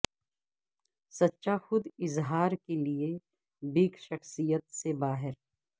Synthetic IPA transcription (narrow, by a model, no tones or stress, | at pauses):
sɐtːʃaxʊd̪ɪzɦaːɾkelie | biːkʃɐxsijət̪sebaːɦɪɾ